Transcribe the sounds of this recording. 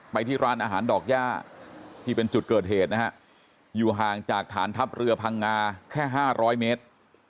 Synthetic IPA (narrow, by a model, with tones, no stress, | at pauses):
pa˧jt̪ʰiː˥˩ɾaː˦˥nʔaː˧ɦaː˩˦ndɔː˨˩k̚jaː˥˩t̪ʰiː˥˩pe˧nt͡ɕu˨˩t̪̚kɤː˨˩t̪̚heː˨˩t̪̚na˦˥ha˦˥ʔ | juː˨˩ɦaː˨˩ŋt͡ɕaː˨˩k̚t̪ʰaː˩˦nt̪ʰa˦˥p̚ɾɯ˧ɐpʰa˧ŋːaː˧kʰɛː˥˩ɦaː˥˩ɾʔɔː˦˥jmeː˦˥t̪̚